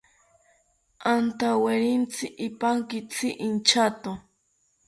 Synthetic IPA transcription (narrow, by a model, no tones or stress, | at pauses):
ant̪aweɾɪnt͡sɪʔːpaŋkɪt͡sʰɪʔint͡ʃat̪o